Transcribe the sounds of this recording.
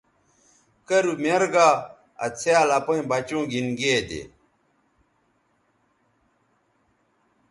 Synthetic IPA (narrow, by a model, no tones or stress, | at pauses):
kɐɾumeɾɡaː | ɐ̰t͡sʰjaːlɐpɐĩbɐt͡ɕũːɡinɡeːd̪ḛ